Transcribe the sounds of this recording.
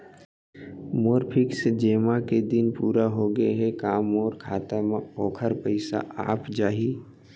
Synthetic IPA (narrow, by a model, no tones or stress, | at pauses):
moːɾpʰɪksd͡ʒeːmaked̪ɪnpuːɾaɦoɡəeɦɛkaːmɔːɾkʰaːt̪amãɔːkʰəɾpəɪsa̰a̰ːpd͡ʒaːɦi